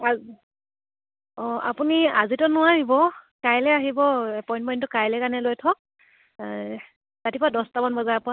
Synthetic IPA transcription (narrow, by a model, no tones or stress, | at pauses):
a | ɔa̰punia̰zitɔnʊaɹibɔkajlɛaɦibɔpɔjntpɔjntɔkajlɛkanɛlojtʰɔk̚ | tatipɔɹadɔstabɔnbɔzaɹpɔɹa